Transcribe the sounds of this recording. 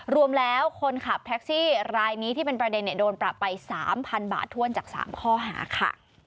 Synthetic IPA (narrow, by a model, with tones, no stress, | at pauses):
ɾu˧əmlɛː˦˥wkʰo˧nkʰa˨˩p̚t̪ʰɛ˦˥k̚siː˥˩ɾaː˧jniː˦˥t̪ʰiː˥˩pe˧npɾa˧de˧nːi˧˩doː˧npɾa˨˩pːa˧jsaː˩˦mpʰa˧nba̰ː˨˩t̪ʰːu˥˩ənt͡ɕaː˨˩k̚sa̰ː˩˦mkʰɔː˥˩ɦa̰ː˩˦kʰa̰˥˩